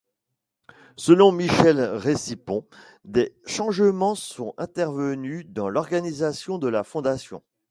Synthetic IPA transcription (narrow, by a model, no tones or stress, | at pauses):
səlɔ̃miʃɛlʁesipɔ̃ | d̪eʃɑ̃ʒəmɑ̃sɔ̃ɛ̃t̪ɛʁvənyd̪ɑ̃lɔʁɡanizasjɔ̃d̪əlafɔ̃d̪asjɔ̰̃